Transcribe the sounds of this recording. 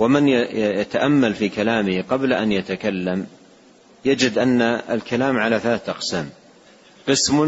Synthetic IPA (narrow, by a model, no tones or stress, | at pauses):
wamɪnjjat̪aʔamːalfiːkalaːmɪhqɑblaʔanjat̪akalːam | jad͡ʒɪd̪ʔanːaa̰lkalaːmʕalaːθalaːθʔɑqsaːm | qɨsmʊ